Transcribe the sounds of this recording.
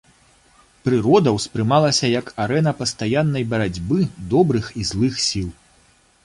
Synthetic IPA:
pɾɨɾɔd̪ɐwspɾɨmalˠɐsʲɐjɐkʰaɾɛnɐpɐst̪ajanːɐjbɐɾad͡zʲbɨd̪ɔbɾɨxizlˠɨxsʲilˠ

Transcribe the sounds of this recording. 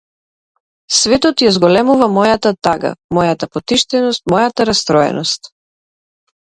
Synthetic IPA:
svɛt̪ɔt̪jazɡɔlɛmuvamɔjat̪at̪aɡa̰mɔjat̪apɔt̪iʃt̪ɛnɔst̪̚mɔjat̪aɾast̪ɾɔɛ̰nɔst̪

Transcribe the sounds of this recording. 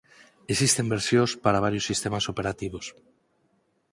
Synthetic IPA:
esist̪embeɾsjospaɾaβ̞aɾjosːist̪emasopeɾat̪iβ̞os

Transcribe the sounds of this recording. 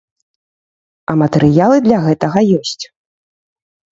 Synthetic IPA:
ɐmɐt̪ɛɾɨjalˠɨd̪lʲɐɣɛt̪ɐɣɐjɔsʲt͡sʲ

